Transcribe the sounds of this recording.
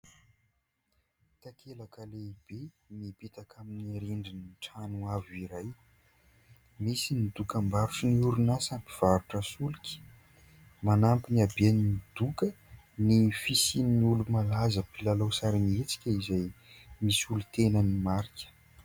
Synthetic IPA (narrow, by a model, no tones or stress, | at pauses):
t̪akʰelakəleib̥e | nipit̪akʰaminiɾiɳɖ͡ʐiniʈ͡ʂanuaviɾaj | misinid̪ukəmbaɾuʈ͡ʂiniuɾunasampi̥v̥aɾuʈ͡ʂəsulikʲi̥ | manampinabeninid̪̥ukə | nifisinnulumalazəpilalosaɾinet͡si̥kʲəizajmisulut̪enənimaɾikʲə̥